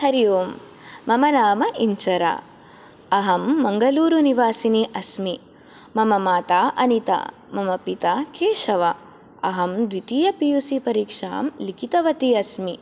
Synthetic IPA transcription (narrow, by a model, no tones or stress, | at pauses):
hɐɾijoːm | mɐmɐnaːmɐʔiɲt͡ʃɐɾa̰ː | ɐɦɐmːɐŋɡɐluːɾuniʋaːsiniʔɐsmi | mɐmɐmaːt̪aːʔɐnit̪a̰ː | mɐmɐpit̪aːkʰeːʃɐʋɐ | ɐɦɐmd̪ʋit̪iːjɐpijusipɐɾiːkʂa̰ːmlikit̪ɐʋɐt̪iːɐsmi